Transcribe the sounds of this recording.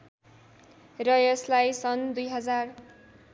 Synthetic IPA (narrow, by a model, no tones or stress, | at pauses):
rʌjʌslajsʌnd̪ujɦʌd͡zar